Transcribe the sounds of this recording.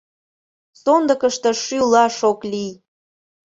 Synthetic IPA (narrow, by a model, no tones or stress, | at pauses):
sond̪əkəʃt̪ə̆ʃylɑʃoklij